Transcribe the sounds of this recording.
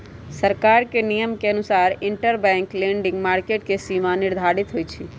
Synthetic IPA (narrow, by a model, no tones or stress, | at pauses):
səɾkaɾkenijəmkeənusaːɾɪɳʈəɾbɛ̃ŋklẽɳɖɪ̃ŋɡmaːɾkeʈ̚kesimanɪɾd̪ʱaɾit̪ɦojt͡ʃʰi